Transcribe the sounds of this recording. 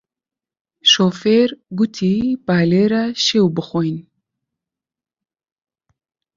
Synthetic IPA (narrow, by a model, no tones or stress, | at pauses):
ʃoːfeɾɡʊt̪ʰipaːleɾaʃewbəxojn